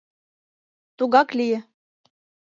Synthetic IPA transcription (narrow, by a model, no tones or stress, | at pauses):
t̪uɣɑklijɘ̆